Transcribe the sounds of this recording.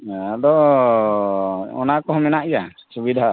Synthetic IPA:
d̪ɔ | ɔnakɔɦɔmɛnaʔjasubid̪ʱa

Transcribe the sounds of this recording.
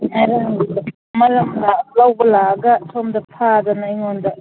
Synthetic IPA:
aɾɐŋ | mɐlɐmlalawbɐlaɡɐsʰomdɐpʰad̪ɐnajŋondɐ

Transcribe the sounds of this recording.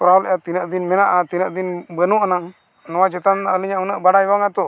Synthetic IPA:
pɾalɛjat̪inəʔd̪inmɛnaʔat̪inəʔd̪inbənuʔana | nɔwat͡ʃɛt̪annaʔəliɲaʔunəʔbaɽajbaŋat̪ɔ

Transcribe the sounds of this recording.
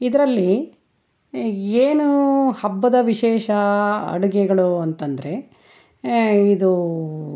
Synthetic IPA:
id̪ɐɾɐlːi | eːnuhɐbːɐd̪ɐʋiʃeːʃɐɐ̰ɽuɡɛɡɐɭuɐnt̪ɐnd̪ɐɾe̞ | id̪u

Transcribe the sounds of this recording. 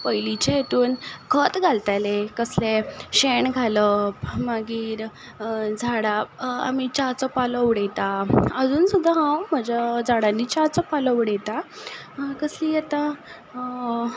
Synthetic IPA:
pəjlit͡ɕeet̪uːnkʰət̪ɡʱalt̪alekəsleɕeɳɡʱaləpmaɡiːɾ | d͡zʱaɽaa̰mit͡ɕat͡səpaləwɽɛt̪aəd͡zuːnsud̪ʱːaɦãwm̤əd͡ʑad͡zʱaɽanːiːt͡ɕat͡sɔpaləwɽɛt̪a | kəsliːjɛt̪a

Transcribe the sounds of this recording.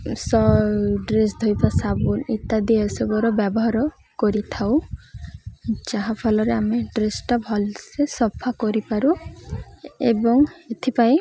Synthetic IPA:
sɔɖɾesd̪ʱojpasabulit̪ad̪iasɔbɔɾɔbabɔɦaɾɔ | kɔɾit̪ʰaw | d͡ʒaɦapʰɔlɔɾeameɖɾesʈabʱɔlsesɔpʰakɔɾipaɾu | ḛbɔŋet̪ʰipae

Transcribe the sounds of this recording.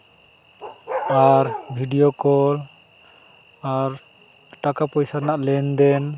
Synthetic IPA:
aɾbʱiɖijokɔl | aɾ | ʈakapɔjsaɾnaʔlɛnd̪ɛn

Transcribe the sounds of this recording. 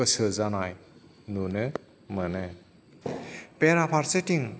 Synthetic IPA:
əsɯzanaj | nunɯ | mənɯ | peɾapʰaɾsetiŋ

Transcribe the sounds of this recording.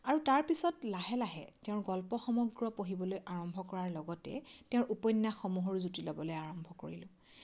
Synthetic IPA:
aɹutaɹpisɔtlaɦɛlaɦɛ̰teʊ̃ɹɡɔlpɔxɔmɔɡɹɔpoɦibɔlojʔaɹɔmbʱɔkɔɹaɹlɔɡɔtɛ̰tẽʊ̃ɹʔupɔjnːaxɔmuɦɔɹzutilɔbɔlojaɹɔmbʱɔko̰ɹḭlʊ̃

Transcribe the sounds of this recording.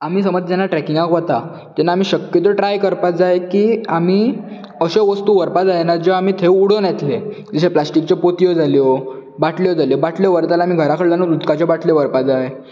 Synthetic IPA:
am̤iːsəməd͡z̪d͡ʑanːaʈɾɛkiŋɡakʋət̪a | t̪ɛnːaːm̤iːɕəkjət̪̬əʈɾajkəɾpad͡zajekiam̤iː | əɕeʋəst̪uːʋəɾpad͡zajenaɾd͡ʑeam̤iːt̪ʰeuɽonat̪le | d͡ziɕeplasʈik̚t͡ɕepot̪ijod͡zaljɔ | baʈʰljɔd͡zaljɔbaʈʰljɔʋəɾt̪alam̤iɡʱəɾakʰəɽlanod̪ut̪kat͡ɕabaʈʰljɔʋəɾpad͡zaje

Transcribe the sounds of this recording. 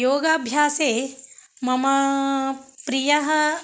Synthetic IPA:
joːɡaːbʱjaːseːmɐmɐ | pɾijɐɦɐ

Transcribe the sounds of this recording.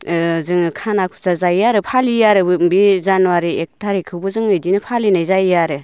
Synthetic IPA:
zɯŋkʰanakʰu̥sazajjaɾɯpʰalijaɾɯbɯmbizanwaɾiek̚tʰaɾikʰɯwbɯzɯŋɯjdinɯpʰalinajzajjaɾɯ

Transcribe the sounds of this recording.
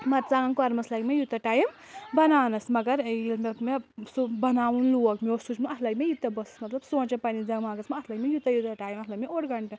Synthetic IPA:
mɐɾt͡saŋkɐɾmɐslɐɡmejut̪ɐʈaːjm | bɐnaːnɐsmɐɡɐɾjilmemesubɐnaːʋunluɐkmosut͡ʃmaɐt̪ʰlɐɡmejut̪ɐbɐsɐ̥smɐt̪lɐbsõːt͡ʃɐpɐnid͡zɐŋmaːɡɐsmɐɐt̪ʰlɐɡmejut̪ɐjut̪ɐʈaːjimɐt̪lɐbmeoɽɡɐɳʈɐ

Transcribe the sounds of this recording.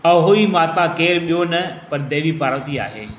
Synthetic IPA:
ɐɦoimaːt̪akeːɾɓijonɐpɐɾd̪eːʋipaːɾə̃ʋt̪ia̰ːɦḛː

